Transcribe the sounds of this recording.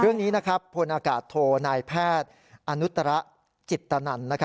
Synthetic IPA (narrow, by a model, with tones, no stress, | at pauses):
ɾɯ˥˩əŋniː˦˥na˦˥kʰɾa˦˥pʰːo˧nʔaː˧kaː˨˩t̪ʰːoː˧naː˧jpʰɛː˥˩t̪̚ | ʔa˧nu˦˥t̪ːa˧ɾa˦˥ʔ | t͡ɕi˨˩t̪ːa˧na˧nːa˦˥kʰa˦